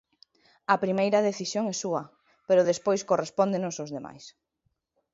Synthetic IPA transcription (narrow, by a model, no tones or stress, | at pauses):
ɐpɾimejɾɐðeθisjoŋɛsuɐ | peɾʊðespojskorespond̪enʊsozðema̰js